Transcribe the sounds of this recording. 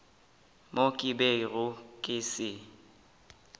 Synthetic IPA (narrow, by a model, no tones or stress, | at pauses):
mokʼɪberʊkʼɪsɪ